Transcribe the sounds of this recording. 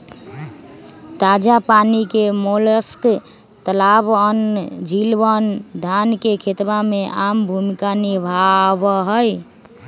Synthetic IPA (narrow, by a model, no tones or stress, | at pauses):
t̪ad͡ʒapanikemoləsk | t̪əlabənd͡ʒilʋənd̪ʱankekʰet̪bameʔambʱumikaniɾbʱabəɦəj